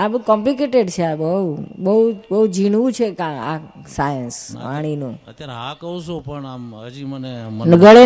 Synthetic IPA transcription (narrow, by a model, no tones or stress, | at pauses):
abkɔ̃mplik̬eʈeɖt͡ʃʰeabəubəubəud͡ʒiɽʋũt͡ʃʰekãa | sajənspa̰ɽ̃inṵ̃ət̪jaɾeɦãkəɦoʃũpəɳaməd͡ʒimənenəɡʱəɭe